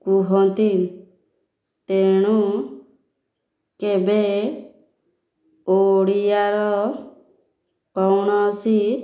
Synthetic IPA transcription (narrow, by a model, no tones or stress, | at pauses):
kuɦɔnt̪in | t̪eɽ̃u | kebe | ooɽijaɾɔ | kɔwñɔsi